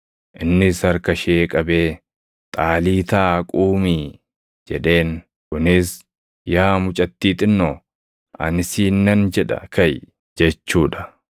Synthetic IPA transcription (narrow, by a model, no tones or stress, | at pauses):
ʔɪnːɪsɐɾkɐʃeːkʼɐbe̞ː | t̪ʼaːliːt̪aːkʼuːmiː | d͡ʒɛᶑe̞ːn | kʊnɪs | jaːmʊt͡ʃʼɐt̪ːiːt̪ɪnːɔ | ʔɐ̰nɪsiːnːɐnd͡ʒɛᶑɐ̰kɐj | d͡ʒɛt͡ʃːuːᶑɐ̥